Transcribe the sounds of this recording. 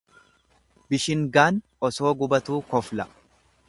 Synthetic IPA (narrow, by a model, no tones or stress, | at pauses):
bɪʃɪŋɡaːn | ɔso̞ːɡʊbɐt̪uːkɔflɐ